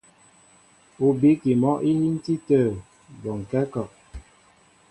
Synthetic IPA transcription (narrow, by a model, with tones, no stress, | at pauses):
u˨bi˨˦ki˨mɔ˦ʔi˦hi˦n̩˦ti˦təː˦˨ | bɔ˨ŋ̩˨kɛ˦kɔ˨ʔ